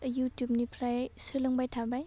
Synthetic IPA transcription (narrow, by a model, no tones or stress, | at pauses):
jutjup̚nipʰɾajsɯlɯŋbajtʰabaj